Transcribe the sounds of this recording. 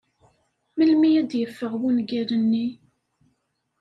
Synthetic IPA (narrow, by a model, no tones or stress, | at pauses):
məlmijæd̪jəfːəʁwunɡæɾənːi